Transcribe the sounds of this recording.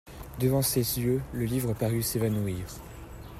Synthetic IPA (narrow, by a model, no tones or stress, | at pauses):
d̪əvɑ̃sezjøləlivʁəpaʁysevanuiːʁ